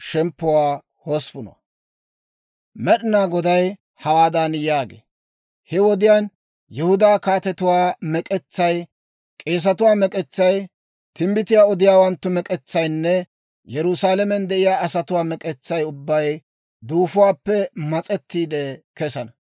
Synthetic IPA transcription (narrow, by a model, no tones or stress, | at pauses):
ʃɛmpːʊwaː | hoːspʊno̰ | mɛɗɪnaːɡɔd̪ɐj | hɐwaːd̪aːnjaːɡḛː | hɛwɔd̪ɪjaːn | jɛhʊd̪aːkaːt̪ɛt̪ʊwaːmɛkʼɛt͡sːɐj | kʼe̞ːs̬ɐt̪ʊwaːmɛkʼɛt͡sːɐj | t̪ɪmbɪt̪ɪjaːɔd̪ɪjaːwɐnt̪ːʊmɛkʼɛt͡sːɐjnːɛ | jɛɾʊsaːlɛmɛnd̪ɛʔɪjaːɐsɐt̪ʊwaːmɛkʼɛt͡sːɐjʊbːɐj | d̪uːfʊwaːpːɛmɐt͡sʼɛt̪ːiːd̪ɛkɛsɐnɐ